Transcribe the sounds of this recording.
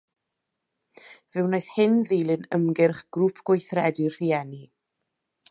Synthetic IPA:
vɨwnoɨð̥hɪnðilˠɨnəmɡɪrχɡ̥rɾuːpʰɡ̥wɔjθrɛdirr̥iɛni

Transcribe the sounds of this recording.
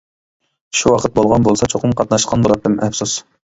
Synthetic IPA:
ʃuwɑqʰət̪̚bolˠʁɑnbolˠsɑt͡ʃʰoqʰəmqʰɑt̪nɑʃqʰɑnbolˠɑp̪̚d̪ɪmʔɛfsus

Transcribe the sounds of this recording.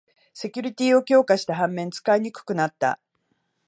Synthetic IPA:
se̞kʲuɾʲit̪ʲiːo̞kʲo̞ːkaɕi̥t̪aɦãmːẽ̞nt͡sɨ̥kaiɲ̟ikɯ̟̥kɯ̟nat̪ːa̰

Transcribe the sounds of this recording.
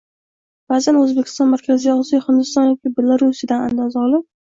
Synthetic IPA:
b̥aːzanɵzbekʲɪ̥st̪ɒnmaɾkʲʰazɪjɒzijɒhɪnd̪ɪst̪ɒnjɒkʲɪbelˠaɾusɪd̪anand̪azɒlˠɪp

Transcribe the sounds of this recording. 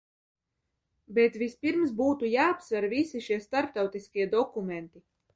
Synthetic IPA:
bɛt̪vʲispiɾms̬buːt̪ujaːpsvɛɾvisiʃiɛst̪aɾp̚t̪awt̪iskʲiɛd̪ɔkumɛnt̪i

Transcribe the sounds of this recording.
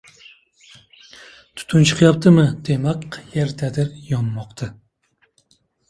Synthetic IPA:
t̪ʰu̥t̪ʰunt͡ʃʰɨ̥qʰɨjɑp̚t̪ʰɨmɨd̪̥emɛkjɛɾd̪ʰɛd̪ɪɾjɑmːɑqt̪ʰɨ

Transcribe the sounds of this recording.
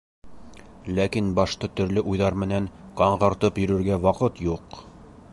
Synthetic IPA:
lækinbɑʃt̪ɤt̪ɵ̆ɾlɘʔujðɑɾmɘ̆næŋqɑɴʁɤ̆ɾt̪ɤpjɵ̆ɾɵ̆ɾɡæwɑqɤt̪juq

